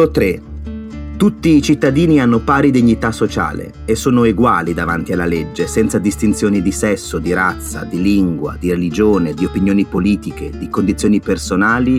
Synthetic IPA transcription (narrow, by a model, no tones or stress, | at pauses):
ot̪ɾe | t̪ut̪ːiːt͡ʃit̪ːad̪iːnianːopaːɾid̪iɲːit̪asːot͡ʃa̰ːlḛ | esːoːnoeɡwaːlid̪ava̰nt̪ialːaled͡ʒːesɛnt̪sad̪ist̪int̪sjoːnid̪isɛsːod̪iɾat̪sːa̰d̪iliŋɡwa̰d̪iɾelid͡ʒoːned̪iopinjoːnipoliːt̪iked̪ikond̪it̪sjoːnipersonaːli